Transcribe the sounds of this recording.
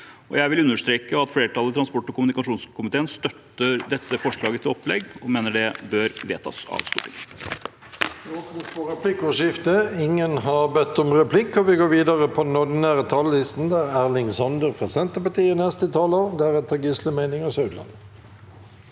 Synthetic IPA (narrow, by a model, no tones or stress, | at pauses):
ɔ̰jæɪʋɪlʉnːəʂt̪ɾeːkəɑt̪fleːɾətʈʰɑlːət̪ʰɾɑnspɔʈːɔkʊmʉnɪkɑʂuːnskʰʊmɪt̪ʰeːənst̪œt̪ːəɾd̪ɛt̪ːəfɔʂɭɑːɡət̪ʰɪlɔpːlɛ̰ɡːɔmeːnəɖɛbœɾʋḛːt̪ʰɑ̰sɑ̰ʋst̪ṵːpɪŋ | ɔpnəspɔɾɛpʰlɪkɔʂɪft̪əɪŋːənɦɑʁbɛt̪ːɔmʁɛpʰlɪkːɔʋɪɡoːɾʋiːd̪əʁəpʰɔd̪ɛnɔd̪ɪnæːʁət̪ʰɑllɪst̪n̩d̪æɾæʁlɪŋsɑnd̪əʁpʰɛsɛnt̪əpɑt̪iːənɛst̪ɪt̪ʰɑːlod̪æʁɛt̪ʰɑɡisləmæɪnɪŋɑsœʉd̪lɑ̰n